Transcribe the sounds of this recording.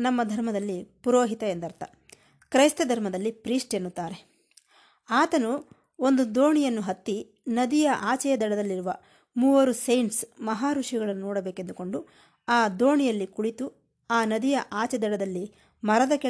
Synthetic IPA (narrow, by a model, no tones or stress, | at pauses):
nɐmːɐd̪ʱɐɾmɐd̪ɐlːipuɾoːɦit̪ɐend̪ɐɾt̪ɐ | kɾɐjst̪ɐd̪ʱɐɾmɐd̪ɐlːipɾiːsʈe̞nːut̪ːaːɾe̞ | aːt̪ɐnu | o̞nd̪ud̪oːɳijɐnːuɦɐt̪ːi | nɐd̪ijɐʔaːt͡ʃɛjɐd̪ɐɽɐd̪ɐlːiɾuʋɐ | muːʋɐɾusejɳʈsmɐɦaːɾuʂiɡɐɭɐnːunɔːɽɐbeːke̞nd̪uko̞ɳɖu | aːd̪oːɳijɐlːikuɭit̪u | aːnɐd̪ijɐʔaːt͡ʃɛd̪ɐɽɐd̪ɐlːi | mɐɾɐd̪ɐke